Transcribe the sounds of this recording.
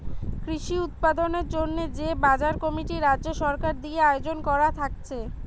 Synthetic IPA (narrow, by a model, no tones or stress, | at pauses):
kɾiʃiut̪̚pad̪oneɾd͡ʑonːed͡ʑebad͡ʑaɾkɔmiʈiɾadːʑoʃɔɾkaɾd̪ieaeod͡ʑonkɔɾat̪ʰakt͡ɕʰe